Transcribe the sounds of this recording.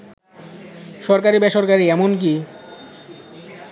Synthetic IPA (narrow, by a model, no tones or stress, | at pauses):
ʃɔɾkaɾibɛʃoɾkaɾiɛmonk̬i